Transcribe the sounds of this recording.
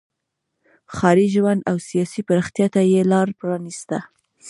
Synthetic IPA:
xɑɾiʒwand̪awsijɑsipaɾəxt̪jɑt̪ajelɑɾpɾɑnist̪a

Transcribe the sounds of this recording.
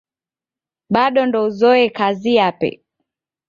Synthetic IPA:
ɓaɗɔndɔuzɔɛkazijapɛ̰

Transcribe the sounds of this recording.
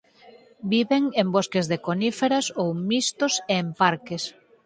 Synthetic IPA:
biβeŋemboskezðekonifeɾasowmist̪oseːmpaɾkes

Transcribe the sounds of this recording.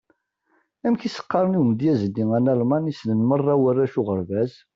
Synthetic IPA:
æmçisə̥qːɑɾˤəniwmd̪jæzədːiŋænælmɑnisnənmərˤːɑwərːæʃʊʁəɾvæz

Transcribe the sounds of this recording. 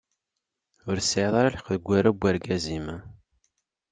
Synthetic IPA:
ʊɾsʕðˤɑɾˤalħqðəɡʷːæɾæbʷːæɾɡæzimæ

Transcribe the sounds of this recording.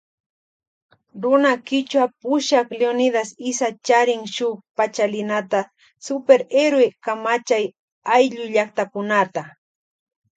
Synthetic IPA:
ɾʊnakɪt͡ʃwapʊʃakleonɪd̪asɪsat͡ʃaɾɪŋʃʊpat͡ʃalɪnat̪a | sʊpeɾeɾwekamat͡ʃaj | ajʎʊʎakt̪akʊnat̪a

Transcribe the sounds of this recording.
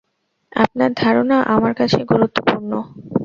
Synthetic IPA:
a̰p̚naɾd̪ʱaɾonaʔamaɾkat͡ɕʰeɡuɾut̪ːopuɾno

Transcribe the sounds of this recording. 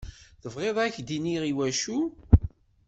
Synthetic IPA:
θəvʁeðˤæçd̪iniʁiwæʃu

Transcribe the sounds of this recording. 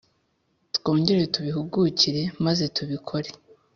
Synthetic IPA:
tko̞ːŋɟe̞ɾejotuβihuɡuciɾe̞maze̞tuβikʰo̞ɾe̞̥

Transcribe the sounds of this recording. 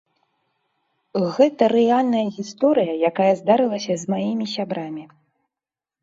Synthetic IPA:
ɣɛt̪ɐɾɛalʲnɐjɐɣʲist̪ɔɾɨjɐjakajɐzd̪aɾɨlˠɐsʲɐzmajimʲisʲabɾamʲi

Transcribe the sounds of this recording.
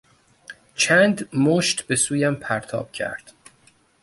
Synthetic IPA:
t͡ʃʰænd̪moʃt̪be̞suːjæmpʰæɾt̪ʰɒ̰ːb̥̚cʰæ̰ɾd̪̥

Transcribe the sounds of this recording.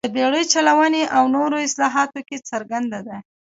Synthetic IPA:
d̪əbeɽəjt͡ʃalawaneʔawnoɾoɪslɑɦɑt̪oket͡səɾɡand̪ad̪a

